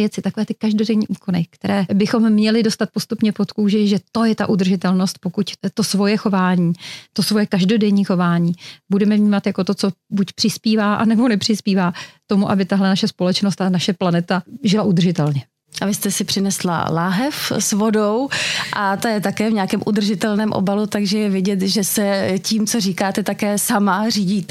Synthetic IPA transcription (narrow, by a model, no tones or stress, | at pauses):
jɛt͡sɪt̪ako̞vɛːt̪ɪkaʒdo̞dɛɲiːʔuːko̞nɪkt̪ɛɾɛːbɪxo̞mːɲɛlɪdo̞st̪at̪̚po̞st̪upɲɛpot̪kuːʒɛʒɛt̪o̞jɛt̪aʔud̪r̩ʒɪt̪ɛlno̞st̪̚po̞kuct̪o̞svo̞jɛxo̞vaːɲiːt̪o̞svo̞jɛkaʒdo̞dɛɲiːxo̞vaːɲiːbudɛmɛvɲiːmat̪jako̞t̪ot͡so̞bucpr̥ɪspiːvaːʔanɛbo̞nɛpr̥ɪspiːvaːt̪o̞muʔabɪt̪aɦlɛnaʃɛspo̞lɛt͡ʃnost̪anaʃɛplanɛt̪aʒɪlaʔud̪r̩ʒɪt̪ɛlɲɛ | ʔavɪst̪ɛsɪpr̝̥ɪnɛsla̰laːɦɛfsvodowʔat̪ajɛt̪akɛːvɲaːkɛːmʔud̪r̩ʒɪt̪ɛlnɛːmʔo̰balut̪aɡʒɛjɛvɪɟɛt̪ʒɛsɛciːmt͡soriːkaːt̪ɛt̪akɛːsamariːɟiːt̪ɛ